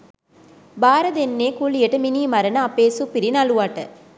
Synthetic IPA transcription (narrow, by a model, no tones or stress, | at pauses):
baːɾəd̪enːeːkulijəʈəminiːmaɾənəapeːsupiɾinaluʋaʈə